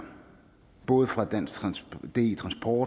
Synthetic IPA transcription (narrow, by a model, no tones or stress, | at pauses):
b̥ɔ̽ːð̩ˠfʁɑ̈d̥æn̰sd̥e̝t͡sʰʁɑ̈nsb̥ʰɒ̥ː